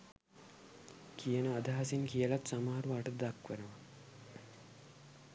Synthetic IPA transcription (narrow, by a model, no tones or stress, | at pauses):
kʰijənəad̪aɦasiŋkijəlat̪samaːaɾuaʈəd̪akʋenəʋa